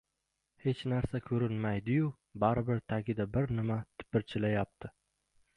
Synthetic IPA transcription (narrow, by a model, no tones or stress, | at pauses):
he̞t͡ʃnaɾsakʲʰɵɾɪnmajd̪ɪjʊ | baɾɪbɪɾt̪ʰaɡʲɪd̪abɪɾnɪmat̪ʰɪ̥pɪɾt͡ʃʰɪlajap̚t̪ʰɪ